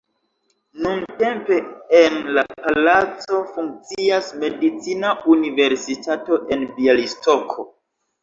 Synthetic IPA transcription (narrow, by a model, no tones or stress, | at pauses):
nunte̞mpe̞enlapalat͡so̞fuŋk̚t͡siasme̞dit͡sinaunive̞ɾsitato̞ʔe̞nbialisto̞kʰo̞